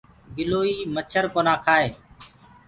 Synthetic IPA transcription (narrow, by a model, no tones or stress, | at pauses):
ɡɪloːiːmət͡ʃʰəɾkoːnaːkʰaːɦeː